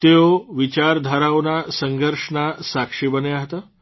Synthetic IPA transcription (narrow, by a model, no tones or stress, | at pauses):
t̪eoʋit͡ɕaɾd̪ʱaɾaʋnasəŋɡəɾʂɳasakʂibəneaɦt̪a